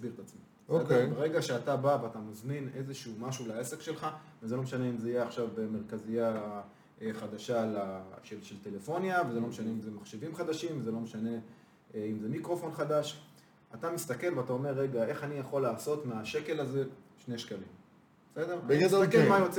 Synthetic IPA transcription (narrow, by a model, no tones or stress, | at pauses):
sbiʁt̪at͡smi | sed̪ebeʁeɡaʃeat̪abaveatamozmine̞zeʃumaʃulae̞sekʃe̞lχavezelo̞meʃane̞imzeijeaχʃavbemeʁkazija | ʔeχad̪aʃalaʃelʃelt̪e̞le̞fo̞njavezelo̞meʃane̞imzemaχʃevimχad̪aʃimvezelo̞meʃane̞ | imze̞mikʁo̞fo̞nχad̪aʃ | at̪amist̪ake̞lveat̪ao̞me̞ʁːe̞ɡae̞χanijaχo̞laːso̞t̪meaʃe̞ke̞laze̞ | ʃneʃkalim | besed̪eʁeekemajot͡s